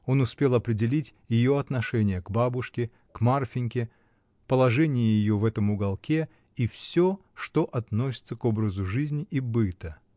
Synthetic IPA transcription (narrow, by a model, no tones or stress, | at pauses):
o̞nʊspʲe̞lˠɐpɾʲɪdʲɪlʲitʲjɪjo̞ɐt̪nɐʂɛnʲɪjəkbabʊʂkʲɪ | kmarfʲɪnʲkʲɪ | pəlˠɐʐɛnʲɪjɪjɪjovɛt̪əmʊɡɐlˠkʲe | ifsʲoʂt̪oʔɐt̪nos̬ʲɪt̪səko̞bɾəzʊʐɨzʲnʲɪʔibɨt̪ə